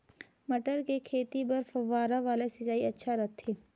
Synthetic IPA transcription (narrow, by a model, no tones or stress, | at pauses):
mɐʈəɾkekʰeːt̪ipɐɾfɐʋːaːɾaʋaːlesɐt͡ʃaːiɐtːʃʰaɾɐt̪ʰːeː